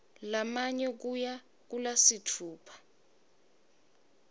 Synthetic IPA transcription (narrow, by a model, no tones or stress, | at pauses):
lamaɲɛk̬uja | k̬ulasitʰuːpʰḁ